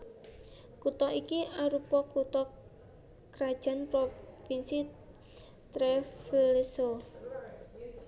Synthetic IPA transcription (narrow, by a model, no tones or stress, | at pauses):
kut̪ɔʔikiʔaɾupɔkut̪ɔ | kɾad̥ʒ̥a̤npɾopinsi | t̪ɾɛfleso